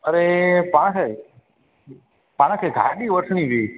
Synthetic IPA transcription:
əɾepaɽ̃ãkʰaj | paɽ̃ãkʰaɡʱa̰ɗiʋəʈʰɳ̃ĩʋi

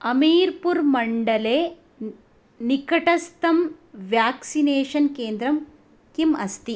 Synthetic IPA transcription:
ɐmiːɾpuɾmɐɳɖɐleː | nikɐʈɐst̪ɐmʋjaːksineːʂɐnkeːnd̪ɾɐm | kimɐ̰st̪i

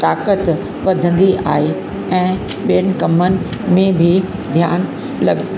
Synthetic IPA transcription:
t̪aːkət̪ | ʋɐd̪ʱə̃nd̪iʔa̰ːɦe | ɛ̃ː | ɓijən̆kɐmənɪ̆mẽbʱɪd̪ʱjaːn | lɐ̰ɡ

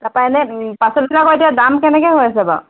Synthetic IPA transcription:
tapajnɛpasɔlinakɔetijadamkɛnɛkɛjɦojasɛba̰

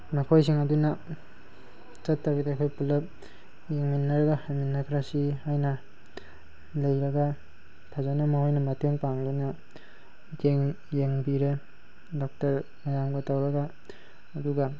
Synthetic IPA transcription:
makʰojsiŋɐduna | t͡ʃɐtːaɡidakʰojpulɐp̚ | jeŋminːɐɾɐɡahajminːɐkʰɾasihajnɐ | lɐjɾɐɡa | tʰazanamɐhojnɐmɐteŋpaŋduna | keŋ | jeŋbiɾe | dɔk̚tɐɾ | majamɡɐtawɾɐɡaː | duɡa

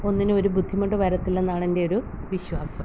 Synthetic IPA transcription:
o̞nːinɨo̞ɾubʱud̪ʱːimɐʈːɨʋɐɾɐt̪ːilːe̞nːaːɳende̞o̞ɾu | ʋiɕwaːsɐm

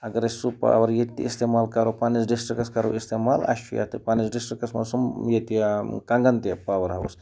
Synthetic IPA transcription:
ɐɡɐɾɐsupa̰ːʋɐɾjet̪ːḭist̪emaːlkɐɾopanisɖisʈɾikɐskɐɾo̰ist̪eːmaːlɐ̰ʃṵja̰t̪ɨpaːnisɖisʈɾikɐsmɐsumjet̪ikɐŋɡɐnt̪epaːʋɐɾɦɐwṵs

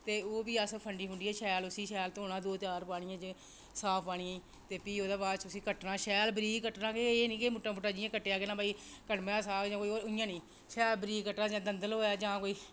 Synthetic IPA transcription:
t̪eːoːbiːəspʰəɳɖiːɦʊɳdiːɛːʃɛːlʊsiːʃɛːlt̪ːoːnaːd̪oːt͡ʃaːɾpaːɽ̃ɪ̃ːãːt͡ʃ | saːpʰpaːɽ̃ĩẽː | t̪eːpiːoːd̪aːbaːt͡ʃʊsĩːkəʈnãːʃɛːlbɾiːɡkəʈnãːkeeːnĩːkeːmʊʈaːboʈaːd͡ʒɪjãːkəʈːejaːkenãːbaːiːkəʈmːãːsaːd͡ʒãːkoːioːʊɪjãːnĩː | ʃɛːlbɾiːkəʈːãːd͡ʒãːd̪ənd̪əlɦoːjaːd͡ʒãːkoːiː

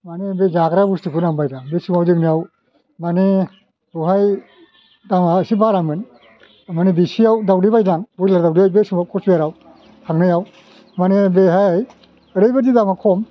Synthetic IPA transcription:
manebed͡ʒaɡɾabustipʰunaŋbajɾaŋbesumawdɯknijaw | mane | uɦaj | damasibaɾamɯn | manibisijawdawdibajdaŋbujlaɾdawdiajbesumawkʰɔsbaɾaw | hʰaŋnɯjaw | manebeɦaj | əɾɯjbazidamakʰɔm

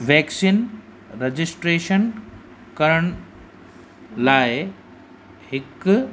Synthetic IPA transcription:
ʋɛːksiːn | ɾed͡ʑisʈɾeːʃən | kəɾəɳ | laːj | hik

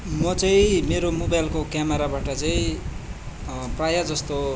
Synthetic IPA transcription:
mʌt͡sʌĩmeɾomobajlkokjameɾabaʈʌt͡sʌĩ | prajad͡zʌst̪o

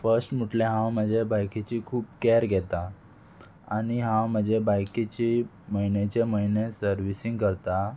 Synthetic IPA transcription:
fəɾsʈm̤uʈleɦãwməd͡ʑʱebajket͡ɕikʰuːp̚kɛɾɡʱɛt̪a | aɽ̃iɦãwm̤əd͡ʑebajket͡ɕi | məinet͡ɕeməinesəɾʋisiŋɡkəɾt̪a

